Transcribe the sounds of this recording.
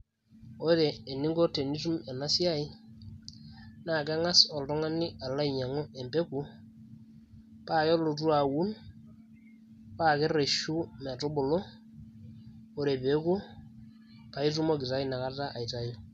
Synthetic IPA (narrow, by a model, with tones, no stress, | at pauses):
o˦ɾeː˨ni˦ŋɡo˦te˨ni˦tu˦me˨na˦si˦a˦i˦ | na˨ke˦ŋa˦sɔ˨ltɔ˦ŋa˦ni˦ʔa˨la˦i˨ɲa˨ŋo˦e˨mbe˦ku˦ | pa˦jo˦lo˨t̬u˦a˨wu˦n | pa˦ke˦re˨ʃu˦mɛ˨to˦bo˨lo˦ | o˦ɾe˨pe˨˦ku˦ | pa˨i˦tu˦mo˦ki˨ta˦i˦na˨ka˦ta˦ʔa˨i˨ta˦ji˦